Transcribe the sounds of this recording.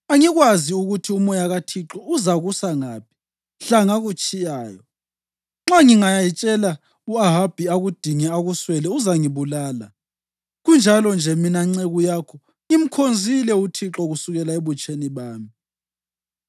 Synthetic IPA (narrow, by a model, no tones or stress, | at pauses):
aŋiɣwaziuɣutʰiumɔjaɣatʰiǁɔuzaɣusaŋaːp̚ʰi̥ | ɬaŋaɣut͡ʃʼijaːjɔ | ŋ͡ǁaŋiŋajajit͡ʃʼɛla | uaɦab̥ʱiaɣud̥ʱiŋɛaɣuswɛlɛuzaŋiβulaːla | ɣund͡ʒʱalɔnd͡ʒʱɛminaŋ͡ǀeɣujaːkʰɔ | im̩kʰond͡zʱilɛutʰiǁɔɣusuɣɛlaeβut͡ʃʼeniβaːmi